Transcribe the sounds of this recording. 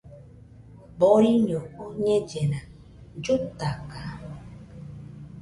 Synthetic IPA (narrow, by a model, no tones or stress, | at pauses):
boɾiɲooɲẽd͡ʒenã | d͡ʒut̪aka